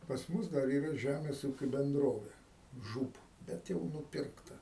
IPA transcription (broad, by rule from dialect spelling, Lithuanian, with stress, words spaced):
pɐs ˈmʊs dɐr ˈiːrɐ ˈʒʲæmʲeːs ˈuːkʲʊ bʲɛnˈdroːʋʲɛ ˈʒuːp ˈbʲɛt jɛʊ nʊˈpʲɪrktɐ